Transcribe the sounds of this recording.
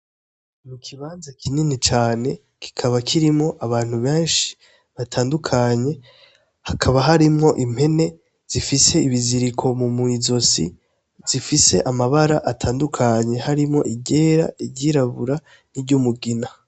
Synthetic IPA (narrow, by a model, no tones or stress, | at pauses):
mukʰiβaːnzakʰininit͡ʃaːne̞ | ki̥kʰaβakʰiɾimŋo̞ʔaβaːn̥huβeːnʃi̥ | βatʰaːndukʰaɲe̞ | hakʰaβaɦaɾimŋo̞ʔim̥he̞ne̞ | z̥ifise̞iβiziɾikʰo̞mumŋizo̞sḭ | z̥ifise̞ʔamaβaɾaʔatʰaːndukʰaɲe̞haɾimŋo̞̰ʔiɟe̞ːɾa̰iɟiɾaβuɾa | niɟumuɡina